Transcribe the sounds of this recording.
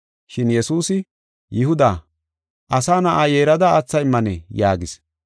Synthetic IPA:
ʃɪnjɛsuːsɪ | jɪɦʊd̪aː | ʔɐsaːnɐʔaːjeːɾɐd̪ɐːt͡sːɐjɪmːɐnɛjaːɡɪs

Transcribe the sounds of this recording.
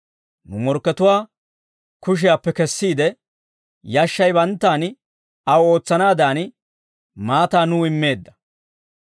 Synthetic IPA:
nʊmɔɾkːɛt̪ʊwaː | kʊʃ̬ɪjaːpːɛkɛsːiːd̪ɛ | jɐʃːɐjbɐnt̪ːaːn | ɐwo̞ːt͡sːɐnaːd̪aːn | maːt̪aːnuːɪmːe̞ːd̪ːɐ̥

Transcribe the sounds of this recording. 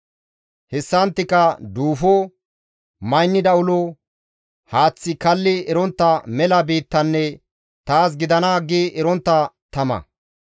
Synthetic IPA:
hɛsːɐnt̪ːɪkɐd̪uːfɔ | mɐjnːɪd̪ɐʊlo | haːt͡sːɪkɐlːɪɛɾɔnt̪ːɐmɛlɐbiːt̪ːɐnːɛ | t̪aːs̬ɡɪd̪ɐnaːɡiʔɛɾɔnt̪ːɐt̪ɐmɐ̰

